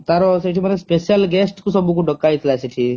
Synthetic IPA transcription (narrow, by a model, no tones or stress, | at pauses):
t̪aɾɔsiʈʰimənespesjəlɡesʈkusəbuk̬uɖəkːait̪ʰlasiʈʰi